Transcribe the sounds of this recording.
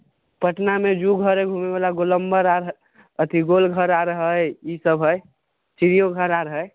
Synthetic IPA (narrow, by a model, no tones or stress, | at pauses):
pəʈnamed͡ʒuɡʱəɾeɡʱumebalaɡoləmbəɾaɾ | ət̪ʰiɡolɡʱəɾaɾəɦəjisəbʱɦəj | t͡ʃiɾijoɡʱəɾaɾəɦəj